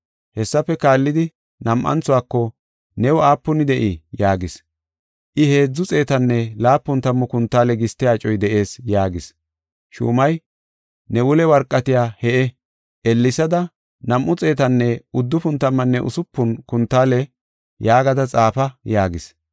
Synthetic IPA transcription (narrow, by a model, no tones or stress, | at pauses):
hɛsːɐfɛkaːlːɪd̪ɪ | nɐmʔɐ̰nt͡sːʊwaːkːɔ | nɛwɔaːpːʊnɪd̪ɛʔɪjaːɡɪs | ʔɪhe̞ːd͡zːʊt͡sʼe̞ːt̪ɐnːɛlaːpːʊnt̪ɐmːɔkʊnt̪ːaːlɛɡɪst̪ːɪjaːt͡ʃʼɔjd̪ɛʔe̞ːsjaːɡɪs | ʃṵːmɐj | nɛwʊlɛwɐɾkʼːɐt̪ɪjaːhɛʔɛ | ʔɛlːɪsɐd̪ɐ | nɐmʔʊt͡sʼe̞ːt̪ɐnːɛʊd̪ːʊfʊnt̪ɐmːɐnːɛʔʊ̰sʊpːʊnkʊnt̪ːaːlɛ | jaːɡɐd̪ɐt͡sʼaːfɐjaːɡɪs